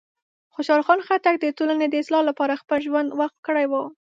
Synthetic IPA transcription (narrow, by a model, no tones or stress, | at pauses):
xoʃɑɾxɑnxat̪ak̚d̪ətolaned̪əɪslɑlapɑɾaxpəlʒwand̪waxt̪̚kəɽajwə